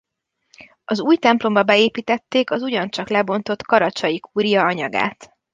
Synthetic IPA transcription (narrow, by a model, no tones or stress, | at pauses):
ɒzuːjt̪ɛmplo̞mbɒbɛeːpiːt̪ɛt̪ːeːkɒzuɟɒnt͡ʃɒklɛbo̞nt̪o̞t̪kɒɾɒt͡ʃɒjikʰuːɾijɒɒɲɒɡa̰ːt̪